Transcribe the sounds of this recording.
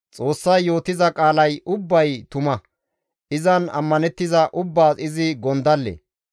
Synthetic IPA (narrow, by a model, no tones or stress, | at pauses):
t͡sʼo̞ːsːɐjːo̞ːt̪ɪzɐkʼaːlɐjʔʊbːɐjt̪ʊmɐ | ʔɪzɐnɐ̰mːɐnɛt̪ːɪzɐʔʊbːaːɪzɪɡɔnd̪ɐlːḛ